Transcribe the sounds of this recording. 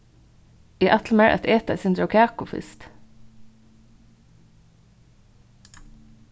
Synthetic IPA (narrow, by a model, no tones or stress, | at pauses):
iːʔæt̪l̩meɹʔɛ̰t̪ʰeːt̪æ̰ɪsɪnd̪ɾokʰæːkʊfɪ̰st̪